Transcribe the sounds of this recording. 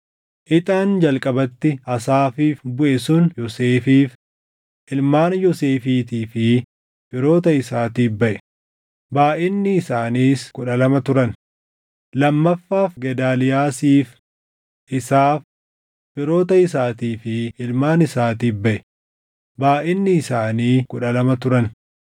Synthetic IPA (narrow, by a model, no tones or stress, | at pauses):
ʔɪt̪ʼaːnd͡ʒɐlkʼɐbɐt̪ːɪɐsaːfiːfbʊʔɛsʊnjɔseːfiːf | ʔɪlmaːnjɔseːfiːt̪iːfɪ | fɪɾo̞ːt̪ɐɪsaːt̪iːbɐʔɛ̥ | baːʔɪnːɪːsaːniːskʊᶑɐlɐmɐt̪ʊɾɐn | lɐmːɐfːaːfɡɛd̪aːlɪjaːsiːf | ʔɪsaːf | bɪɾo̞ːt̪ɐɪsaːt̪iːfɪɪlmaːnɪsaːt̪iːbɐʔɛ | baːʔɪnːɪːsaːniːkʊᶑɐlɐmɐt̪ʊɾɐn